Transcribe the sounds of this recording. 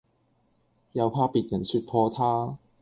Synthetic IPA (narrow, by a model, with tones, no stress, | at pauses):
jɐ˧wpʰaː˥piː˨˩t̚jɐ˨˩nsy˧t̚pʰɔː˧t̪ʰaː˥